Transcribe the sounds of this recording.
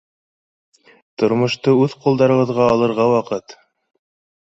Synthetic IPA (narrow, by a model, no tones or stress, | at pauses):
t̪ŏɾmŏʃt̪ɤʉðqŭlˠd̪ɑɾɤ̆βɤ̆ðʁɑːlˠɤ̆ɾʁɑwɑqɤt̪